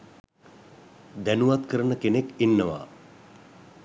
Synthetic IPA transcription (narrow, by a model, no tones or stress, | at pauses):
d̪ænuʋat̪kəɾənəkenekinːəʋa̰ː